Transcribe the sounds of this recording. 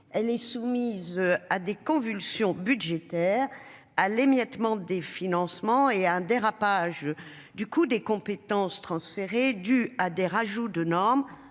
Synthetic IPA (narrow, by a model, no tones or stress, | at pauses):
ɛlɛsumizad̪ekɔ̃vylsjɔ̃byʒet̪ɛʁ | alemjɛt̪mɑ̃d̪efinɑ̃smɑ̃eaɛ̃d̪eʁapaʒ | d̪ykud̪ekɔ̃pet̪ɑ̃st̪χɑ̃sfeʁed̪yad̪eʁaʒud̪ənɔʁm